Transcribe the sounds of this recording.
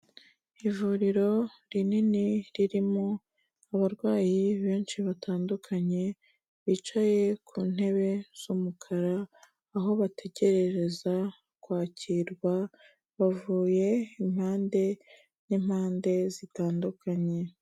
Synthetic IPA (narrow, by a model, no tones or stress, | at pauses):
ivuɾiɾo̞ɾininiɾiɾimo̞ | aβaɾɡwaːjiβe̞ːnʃiβatʰaːndukʰaɲe̞ | βit͡ʃaje̞kʰuːn̥he̞βe̞z̥umukʰaɾaː | ɦo̞βatʰe̞ɟe̞ɾe̞ɾe̞za | kwaːciɾɡwa | βavuːje̞im̥haːnde̞ | nimhaːnde̞zitaːndukʰaɲe̞